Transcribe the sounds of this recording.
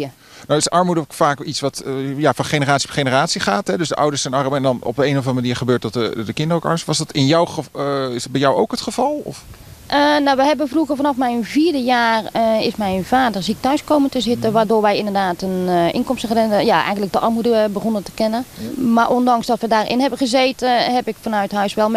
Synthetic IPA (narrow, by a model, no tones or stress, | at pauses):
ə | nawɪsʔɑɹmudəkfaːkitsʋɑtjafɑnχenəraːtsiχejnəraːtsiχaːtɦɛdøsdəʔʌ̰wdəɹsɛnɑɹmɛndɑnɔ̰b̚dəejnɔvɑnəmaniːɹχəbøːɹt̚dɔtədəkɪndərowkɑ̰ɹmstʋɑsdɑtɪnjawəɪzdɑd̚bɛjɔwowkɦətχəv̥ɑlˠɔ̰f | ʔənawʋəɦɛbənfruɣəfanɑfmɛjnviːrdəjaːrɪsmɛjnv̥aːdərsik̚tœɥskowməntəzɪtəʋardoːɹʋɛjɪndərdaːtənʔɪ̰nkɔmstəɣərɪndəjaɛ̰jɣəntlək̚dəʔɑrmudəbəxonətə̥kɪnəmarʔondɑŋsdɔtʋədaːrʔɪ̰nɦɛbəχəzeːtəhɛpɪkfɔnœɥthœɥsʋɛlˠ